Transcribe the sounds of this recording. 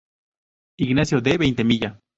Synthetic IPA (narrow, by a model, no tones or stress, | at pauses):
iɡnasjod̪eβejnt̪emiʎa